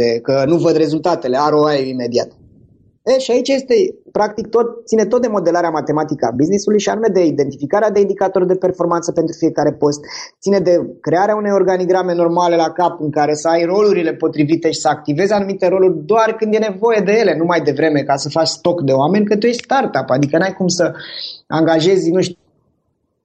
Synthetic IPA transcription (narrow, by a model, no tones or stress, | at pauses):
ekənuvəd̪re̞zult̪at̪e̞le̞aɾoaeime̞d̪ia̰t̪ | eʃiait͡ʃaje̞st̪e̞pɾak̚t̪ik̚t̪o̞t̪̚sine̞t̪ot̪d̪e̞mo̞d̪e̞laɾeamat̪e̞mat̪ikəa̰biznisulujʃia̰nume̞d̪e̞id̪e̞nt̪ifikaɾead̪e̞ind̪ikat̪o̞rd̪e̞pe̞rfo̞rmantsəpe̞nt̪ɾufije̞kaɾe̞po̞st̪sine̞d̪e̞kɾe̞aɾeaune̞jo̞rɡaniɡɾame̞no̞rmale̞lakapɨŋkaɾe̞səajro̞luɾile̞po̞t̪ɾivit̪e̞ʃi̥səak̚t̪ive̞zanumit̪e̞ɾo̞lurʲd̪oarkɨnd̪je̞nevo̞je̞d̪e̞je̞le̞numajd̪e̞vɾe̞me̞kasəfat͡ʃʲst̪o̞kd̪e̞oame̞nʲkɨnt̪ujest̪art̪apad̪ikənajkumsəaŋɡaʒe̞zʲnuʃt̪u̥